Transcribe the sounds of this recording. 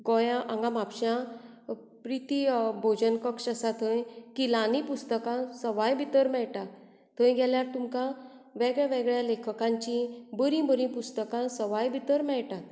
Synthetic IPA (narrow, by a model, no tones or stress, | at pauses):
ɡɔjãʔãŋɡamapɕjã | pɾit̪ibʱod͡ʑənkəkʂəsat̪ʰə̃jkilanipust̪əkãsəʋajbit̪əɾmɛɭʈa | t̪ʰə̃jɡʱɛljaɾt̪umkã | ʋɛɡɭjaʋeɡɭjalekʰəkãɲt͡ɕĩbəɾĩbəɾĩpust̪əkãsəʋajbʱit̪əɾmɛɭʈa